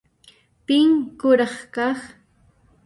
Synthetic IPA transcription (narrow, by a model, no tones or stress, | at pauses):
pɪŋkʊɾɑχkɑχ